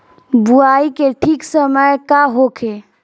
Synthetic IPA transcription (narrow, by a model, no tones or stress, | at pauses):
buaikeʈʰiksəməjkaɦokʰe